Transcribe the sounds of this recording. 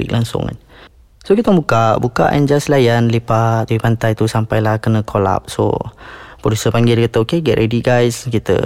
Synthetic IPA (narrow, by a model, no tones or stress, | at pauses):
ḭk̚lʔaŋsʊ̰ŋa̰n | sokit̪əməmbukaʔbuka̰ʔa̰nd͡ʒaslajanlipat̪apipant̪ajt̪usampajlahkənə̃kʰola̰p̚so̰pɾodusəpaŋɡidakat̪əokeɡɛʔɾediɡajskit̪ə̰